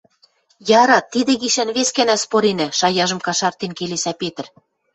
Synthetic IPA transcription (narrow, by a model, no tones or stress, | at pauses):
jɑɾɑt̪ːid̪ĕɣiʃænβeskænæspoɾenæ̆ʃɑjɑʒɤ̆mkɑʃɑrt̪enkelesæpet̪ə̆r